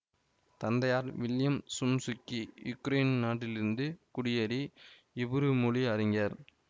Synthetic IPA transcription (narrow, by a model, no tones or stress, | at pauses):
t̪ɐnd̪ɐjaːɾʋɪljɐmsʊmsʊkːijʊkːɾeːnnaːʈːɪlɪɾɯnd̪ɯkʊɽɪjɐɾi | ɪbɯɾɯmʊɭiɐɾɪŋɡɐɾ